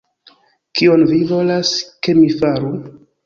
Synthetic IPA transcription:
kio̞nvivo̞laske̞mifaɾu

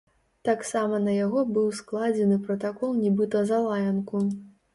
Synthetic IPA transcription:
t̪aksamɐnɐjaɣɔbɨwsklˠad͡zʲɛnɨpɾɐt̪akɔlˠnʲibɨt̪ɐzɐlˠajɐnku

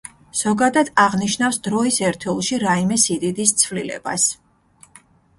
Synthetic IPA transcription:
z̥ɔɡad̪ad̪aʁniʃnafsd̪ɾɔisɛɾt̪ʰɛulˠʃiɾaimɛsid̪id̪ist̪sʰvlilɛ̰ba̰s

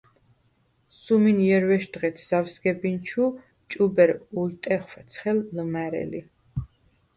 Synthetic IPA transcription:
suminjɛɾwɛʃd̪ʁɛt̪ʰz̥awsɡɛbint͡ʃʰu | t͡ʃʼubɛɾult̪ʼɛχwɛt̪sʰχɛlːmæɾɛ̰li

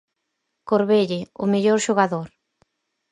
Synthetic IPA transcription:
koɾβeʎɪʊmeʎoɾʃoɣaðoɾ

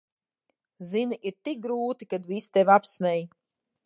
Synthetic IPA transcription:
ziniʔiɾt̪ik̚ɡɾuːt̪ikad̪vist̪ɛvapsmʲɛj

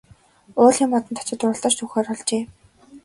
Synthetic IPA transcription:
ʊːɮiːmpɔt̪ɞ̆nt̪ʰḁt͡ɕɪ̆t̪ʊːɮt̪ɔ̆t͡ɕt̪ʰuxeːrɔɮt͡ɕeː

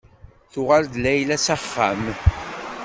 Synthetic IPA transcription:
θʊʁald̪læjlæsæχːam

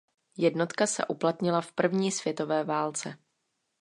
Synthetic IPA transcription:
jɛdno̞t̪kasɛ̰ʔuplat̪ɲɪlafpr̩vɲiːsv̥jɛt̪o̞vɛːvaːlt͡sɛ

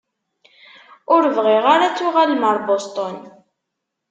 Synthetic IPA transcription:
ʊɾəvʁiʁaɾat͡sːʊʁælməɾˤbost̪ˤɔn

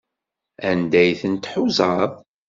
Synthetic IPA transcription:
ænd̪æjθənt̪ħʊzɑv

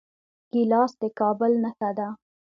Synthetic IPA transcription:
ɡilɑsd̪əkɑbəlnəxad̪a

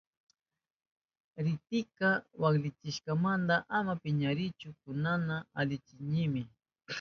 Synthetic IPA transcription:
ɾɪt̪ɪkawaklɪt͡ʃɪʃkamand̪aʔamapɪɲaɾɪt͡ʃʊkʊnanaalɪt͡ʃɪɲɪmɪ

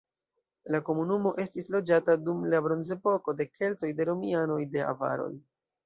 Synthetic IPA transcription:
lako̞munumo̞ʔe̞stislo̞d͡ʒatadumlabɾo̞nze̞po̞ko̞de̞kʰe̞lto̞jde̞ɾomiano̞jde̞a̰va̰ɾo̞̰j

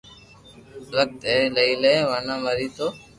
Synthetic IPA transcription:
lək̚t̪eːləiːleːʋaːnãːməɾiːt̪oː

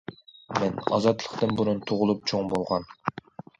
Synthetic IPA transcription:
mɛnɑ̰zɑt̪ʰlˠə̥qt̪ɨnbuɾunt̪ʰoʁʊlˠup̚t͡ʃʰoŋbolˠʁɑn

